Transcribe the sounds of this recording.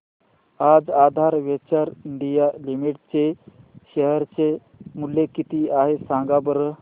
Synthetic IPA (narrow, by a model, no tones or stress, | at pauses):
ad͡zad̪ʱaɾʋet͡ɕaɾiɳɖijalimiʈt͡seɕəɦəɾt͡se | muljekit̪iaɦesãŋɡabəɾə